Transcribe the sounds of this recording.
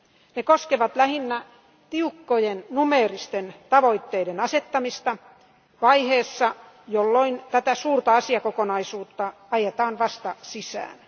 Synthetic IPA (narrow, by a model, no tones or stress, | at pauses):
nekoskeʋɑt̪læhinːæ | t̪iukːojennumeːrist̪ent̪ɑʋoit̪ːeidenɑset̪ːɑmist̪ɑ | ʋɑijheːsːɑ | jolːoint̪æt̪æsuːrt̪ɑɑsiɑkokonɑisuːt̪ːɑ | ɑjet̪ɑːnʋɑst̪ɑsisæ̰ːn